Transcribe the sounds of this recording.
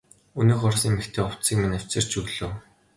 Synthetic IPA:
unɘːxɔrsiːŋmext̪ʰeːɔw̥t͡siːkminæw̥ʲt͡sɘ̆r̥t͡ɕʰɵɣɮoː

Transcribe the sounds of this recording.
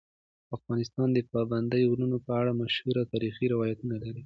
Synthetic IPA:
afɣɑnɪst̪ɑnd̪əpɑband̪əjolunopəaɽamaʃhuɾawt̪ɑɾixiɾɪwɑjat̪unalaɾi

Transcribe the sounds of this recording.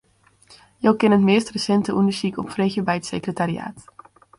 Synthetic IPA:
jowkɪnətmɪːstrəsɛntəʔundəsikɔ̰pfrexjəbɛjətsekrətaria̰ːt

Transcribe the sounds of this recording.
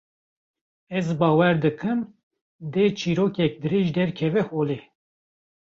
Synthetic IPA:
ɛzbɑːwɛɾd̪ɨkʰɨm | d̪eːt͡ʃʰiːɾoːkɛk̚d̪ɨɾeːʒd̪ɛɾkʰɛvɛhoːle

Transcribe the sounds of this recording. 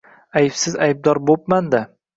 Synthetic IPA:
ajɪpsɪzajb̚d̪ɒɾbop̚mand̪a

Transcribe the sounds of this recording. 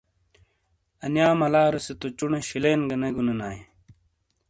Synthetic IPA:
ɐnjaːmɐlaːɾɐset̪ot͡ɕuneɕileːnɡɐneɡunenaːje

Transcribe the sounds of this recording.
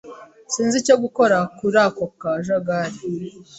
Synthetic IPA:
siːnzicoɡuko̞ɾakuɾakokaʒaɡaɾi

